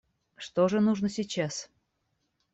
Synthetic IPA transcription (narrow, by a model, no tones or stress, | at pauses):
ʂt̪oʐənuʐnəsʲit͡ɕas